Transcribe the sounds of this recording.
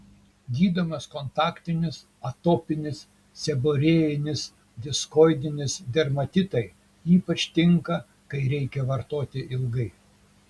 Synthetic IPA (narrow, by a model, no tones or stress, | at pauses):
ɡʲiːd̪omɐskont̪ɑːkt̪ʲɪnʲɪs | ɐt̪oːpʲɪnʲɪs | sʲɛboːɾʲeːjɪnʲɪs | d̪ʲɪskoːɪd̪ʲɪnʲɪsd̪ʲɛɾmɐt̪ʲɪt̪ɐɪ | iːpɐt͡ʃʲt̪ʲɪŋkɐ | kɐɪɾʲɛɪkʲɛʋɐɾt̪oːt̪ʲɪʔɪlˠɡɐɪ